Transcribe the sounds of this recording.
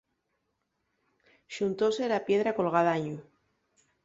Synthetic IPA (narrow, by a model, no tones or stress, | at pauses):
ʃunt̪o̞selapje̞ðɾako̞lɣ̞aðaɲu